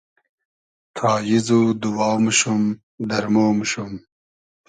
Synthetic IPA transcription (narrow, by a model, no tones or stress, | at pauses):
t̪ʰɑːjizud̪uwɑːwmʃum | d̪ɐɾmoːmɕum